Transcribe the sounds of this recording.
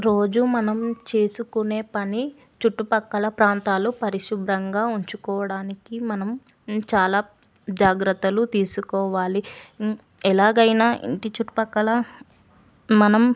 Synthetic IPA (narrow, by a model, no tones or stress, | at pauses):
ɾo̞ːd͡ʒumɐnɐmt͡ʃe̞ːsukune̞ːpɐni | t͡ʃuʈːupɐkːɐlɐpɾaːnt̪aːlupɐɾiʃubɾɐŋɡaːuɲt͡ʃukɔːʋɐɽaːnikimɐnɐm | t͡ʃaːlaː | d͡ʒaːɡɾɐt̪ːɐlut̪iːsukɔːʋaːli | ɛlaːɡɐjnaːʔḭɳʈit͡ʃuʈːu̥pɐkːɐlɐ | mɐnɐm